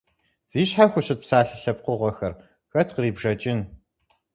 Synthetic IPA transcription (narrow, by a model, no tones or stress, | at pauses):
z̥iːɕħaxʷʊɕɪt̚psaːɬɨɬɐp̚qəʁʷɔxɐr | xɐtʰqəriːbʐɐt͡ʃʼɪn